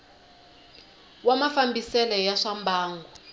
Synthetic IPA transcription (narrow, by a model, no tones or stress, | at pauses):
wamafambisɛlɔjaʂambʱaːŋɡɔ